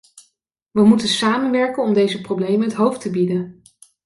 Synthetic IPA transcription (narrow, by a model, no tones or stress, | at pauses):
ʋəmutənsaːmənʋɛɹkənɔmdejzəprowblejmənɦətɦowftəbidən